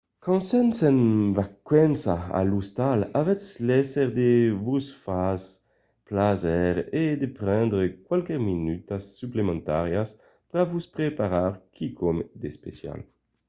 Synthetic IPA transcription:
kɔ̃nsɛnsɛnvakwɛnsaa̰lust̪alavɛslɛsɛʁd̪evusfas | plazɛʁed̪epʁɛ̃nd̪ʁekwalkɛʁminyt̪asːyplemɑ̃nt̪aʁjas | pɾavuspʁepaʁaʁkʰikʰɔmd̪espḛsja̰l

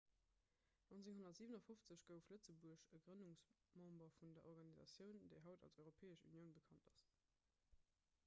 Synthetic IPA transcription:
nont͡seŋɦonɐtz̥iːvənɐfoft͡səɕɡ̥əʊflət͡səbuəɕəɡʁənuŋs | mɑ̃mbɐfundɐʔɔʁɡɑnizɑ̰t͡sjəʊndeɪɦɑʊtɑ̰lsɔɪʁopʰeːəɕṵnjəʊnbəkʰɑntɑs

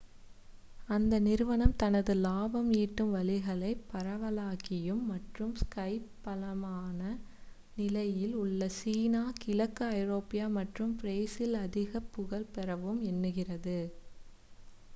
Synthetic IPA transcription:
ɐnd̪ɐnɪɾɯʋɐɳɐmt̪ɐnɐðɯlaːbɐmiːʈːɯmʋɐlɪɣɐɭɐɪpːɐɾɐʋɐlaːɣɪjɯmːɐʈrɯmskɐɪpːɐlɐmaːnɐ | nɪlɐjɪlʊɭːɐsiːnaːkɪlɐkːɯɐɪɾoːpɪjaːmɐʈrɯmpɪɾeːsɪlɐðɪɣɐpːɯɣɐɭpɛɾɐʋɯmɛnːɯɣɪrɐðɯ

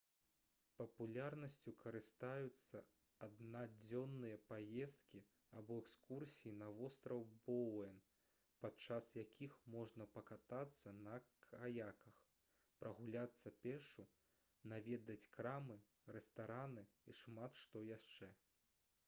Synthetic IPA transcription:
pɐpulʲarnɐsʲt͡sʲukʰɐɾɨst̪ajut̪sːɐ | ad̪nad͡zʲɔnːɨjɐpajɛst̪̚kʲi | abɔɛkskursʲijinɐvɔst̪ɾɐwbɔwɛn | pat͡ʂasjakʲixmɔʐnɐpɐkat̪at̪sːɐnɐkʰajakɐx | pɾɐɣulʲat̪sːɐpʲɛʂu | navʲɛd̪ɐt͡sʲkɾamɨ | ɾɛst̪aɾanɨiʂmat̪ʂt̪ɔjaʂt͡ʂɛ

